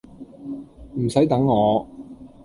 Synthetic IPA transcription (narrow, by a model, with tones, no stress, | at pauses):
m̩˨˩sɐ˨˥jt̪ɐ˨˥ŋːɔː˨˧